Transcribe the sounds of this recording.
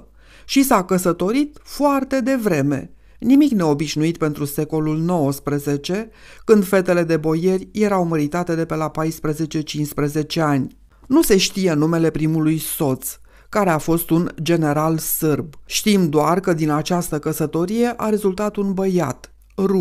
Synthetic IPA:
ʃisakəsət̪o̞ɾit̪foart̪e̞d̪e̞vɾe̞me̞̰ | nimikne̞o̞biʃnuit̪̚pe̞nt̪ɾuse̞ko̞lulno̞wəspɾəze̞t͡ʃe̞ | kɨnd̪fe̞t̪e̞le̞d̪e̞bo̞je̞rʲje̞ɾawməɾit̪at̪e̞d̪e̞pelapajspɾəze̞t͡ʃe̞t͡ʃinspɾəze̞t͡ʃe̞anʲ | nuse̞ʃt̪ije̞nume̞le̞pɾimulujso̞t̪s | kaɾe̞afo̞st̪und͡ʒe̞ne̞ɾalsɨrbʃt̪imd̪oarkəd̪inat͡ʃast̪əkəsət̪o̞ɾije̞ʔaɾe̞zult̪at̪unbəja̰t̪ | ru

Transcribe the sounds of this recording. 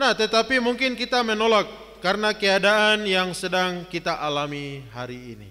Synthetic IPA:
naht̪ət̪apimuŋkɪnkit̪amənolakː | aɾənakəadaanjaŋsədaŋkit̪aʔalamiɦaɾiːnḭ

